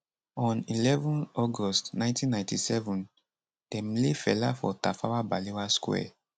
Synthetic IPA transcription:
ɔ̃nilɛvɔ̃nɔɡɔstnãj̃ntĩnːãɪ̃ntisɛvũn | d̥ɛ̃mlefɛlafɔ̰tafawabalewaskwɛ̰

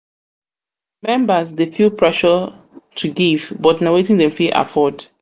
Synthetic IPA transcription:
mɛ̃mbəzdefilpʰɹɛʃə | tʰuɡivbɔtnawetĩŋdɛ̃mfiʔa̰fɔd

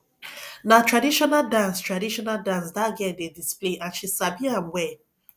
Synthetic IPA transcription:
natʰɹadiʃɔnaldãnstɹadiʃɔnaldãns̬daɡɛ̃ndedispleʔãnʃisabĩãnwɛ

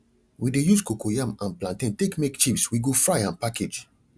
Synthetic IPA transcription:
widejuskokojãmãnplãntĩntekmekt͡ʃipswiɡofɹaɪãnpaked͡ʒ

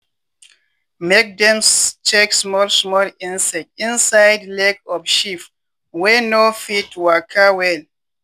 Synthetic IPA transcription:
mek̚dɛ̃mt͡ʃʰeksmɔlsmɔlĩnsɛk̚tĩnsajdlɛkɔfʃif | wɛnofitwakʰəwɛl

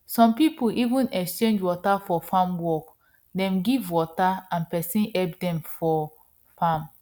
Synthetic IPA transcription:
sɔ̃mpipuʔivĩnɛkst͡ʃẽnd͡ʒwɔtafɔfãmwɔk | dɛ̃mɡivwɔtaãnpɛsĩnɛp̚dɛ̃mfɔ | fãm

